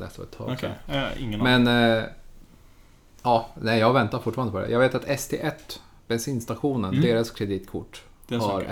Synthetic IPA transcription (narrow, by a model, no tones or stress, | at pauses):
lɛ̰st̪vɔ̰ɛt̪ʰɑ̰ːɪŋːmɛn | ɑːnɛɪjɑːɡvɛnt̪aɾfʊʈːfɑːɾanəpʰɔd̪ɛ̰jɑɡveːt̪at̪ɛst̪ʰḛːʔɛt̪ː | bɛnsiːnst̪aɧuːnənd̪eːɾaskʰɾɛd̪iːt̪kʰʊ̰ʈː | hɑɾ